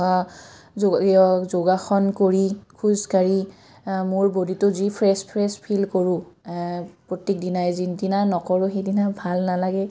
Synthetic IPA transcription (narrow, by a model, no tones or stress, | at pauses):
ɔzoɡaxɔnkoɹikʰuzkaɹi | mʊɹboditʊzipʰɹɛspʰɹɛspʰilkoɹʊ̃ | pɹotːik̚dinajzindinanɔkɔɹʊxejdinabʱalnalaɡɛ